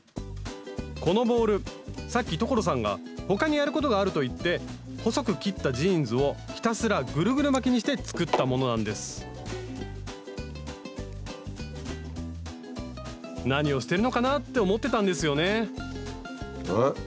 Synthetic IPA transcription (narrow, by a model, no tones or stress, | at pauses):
ko̞no̞bo̞ːɾɯ̟sakʲːit̪o̞ko̞ɾo̞s̬ãŋɡa̰ | ho̞kaɲ̟ijaɾɯ̟ko̞t̪̬o̞ɡaːɾɯ̟t̪o̞it̪ːe̞ | ho̞so̞kɯ̟kʲit̪ːaʑiːnd͡zɨo̞çʲi̥t̪asɨɾaɡɯ̟ɾɯ̟ɡɯ̟ɾɯ̟mak̬ʲiɲ̟iɕ̬i̥t̪e̞t͡sɨ̥kɯ̟t̪ːamo̞no̞nãnd̪e̞sɨ̥ | naɲ̟io̞ɕi̥t̪e̞ɾɯ̟no̞kanat̪ːe̞omo̞t̪ːe̞t̪ãnd̪e̞sɨjo̞ne̞